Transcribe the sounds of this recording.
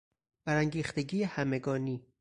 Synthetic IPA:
b̥æɾæŋɟiːxt̪eɟiːjehæme̞ɡɒːniː

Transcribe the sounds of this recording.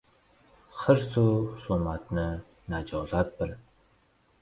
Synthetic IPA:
χəɾsusomat̪nɨ | nad͡ʒɑːzat̪̚bɨr

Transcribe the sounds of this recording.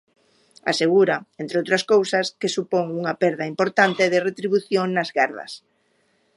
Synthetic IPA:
a̰seɣ̞uɾɐent̪ɾeowt̪ɾɐskowsɐskesupoŋuŋɐpɛɾðɐimpoɾt̪ant̪eðeret̪ɾiβuθjoŋnɐzɣaɾðɐ̰s

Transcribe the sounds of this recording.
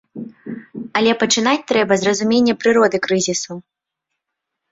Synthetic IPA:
ɐlʲɛpɐt͡ʂɨn̪at͡sʲt̪ɾɛbɐzrɐzumʲenʲːɛpɾɨɾɔd̪ɨkɾɨzʲisu

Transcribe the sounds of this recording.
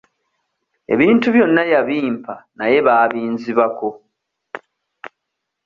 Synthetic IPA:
e̞̰βiːntuβjo̞nːajaβiːmpʰanaje̞βaːβiːnziβako̞

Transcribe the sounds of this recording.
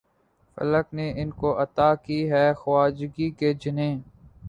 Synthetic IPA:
fə̰ləkneʔɪnkoʔɐt̪aːkiɦɛːxwaːd͡ʒɡiked͡ʒɪnẽː

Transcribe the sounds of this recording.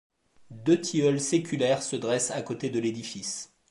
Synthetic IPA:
d̪øt̪ʰiœlsekʲylɛʁsəd̪ʁɛsakot̪ed̪əled̪ifis

